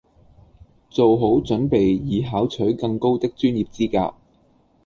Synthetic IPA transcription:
t͡so˨wɦo˨˥wt͡sɵ˨˥npe˨jjiː˨˧ɦaː˨˥wt͡ʃʰɵ˨˥ɥkɐ˧ŋko˥wt̪ɪ˥k̚t͡ʃyː˥njiː˨p̚t͡siː˥ka̰ː˧k̚

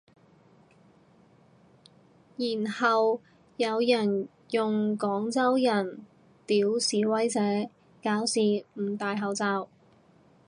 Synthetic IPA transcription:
jiː˨˩nhɐ˨w | jɐ˨˧wjɐ˨˩n | jʊ˨ŋkɔː˨˥ŋt͡sɐ˥wjɐ˨˩n | t̪iː˨˥wsiː˨˥wɐ˥jt͡sɛː˨˥ | kaː˨˥wsiː˨m̩˨˩t̪aː˨jɦɐ˨wt͡saː˧w

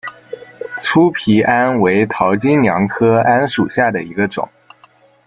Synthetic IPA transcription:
t͡sʰu˥pʰi˧˥ʔa˥nwe˧˥ɪt̪ʰɑ˧˥ʊt͡ɕi˥nnjɑ˧˥ŋkʰɤ˥a˥nʂu˨˩ɕja˥˩d̪ə̰˩i˧˥ɡə˧ʈ͡ʂʊ̰˨˩˦

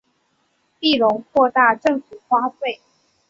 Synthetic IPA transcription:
t̪i˥˩ɻo˧˥ŋkʰwɔ˥˧t̪a˥˧ʈ͡ʂə˥˨ŋfu˨˩kwa˥t̪we˥˨ɪ

